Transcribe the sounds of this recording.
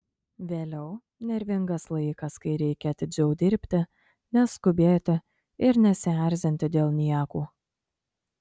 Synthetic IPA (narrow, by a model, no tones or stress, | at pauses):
ʋʲeːlʲɛʊ | nʲɛɾʲʋʲɪŋɡɐslˠɐɪkɐskɐɪɾʲɛɪkʲɛɐt̪ʲɪd͡ʒʲɛʊd̪ʲɪɾʲpʲt̪ʲɪ | nʲɛskʊbʲeːt̪ʲɪ | ɪɾnʲɛsʲæɾʲzʲɪnʲt̪ʲɪd̪ʲeːlˠnʲiɛkuː